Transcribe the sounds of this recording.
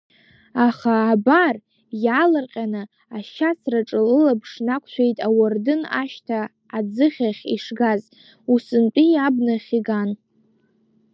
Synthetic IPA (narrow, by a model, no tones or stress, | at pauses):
aχaːbar | jalɨrqʲʼanɨ | aʃasraʈ͡ʂʼɨlɨlapʰʂnakʷʰʼʃʷʰᶣejtʼawardɨna̰ʃtʰaː | d͡zɨχʲaχʲḭʂɡaz | usɨnt͡pʼijabnɨχʲiɡan